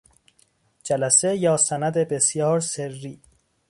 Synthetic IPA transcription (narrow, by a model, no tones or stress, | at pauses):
d͡ʒælæsejɒːsænæd̪ebe̞sjɒːɾserːiː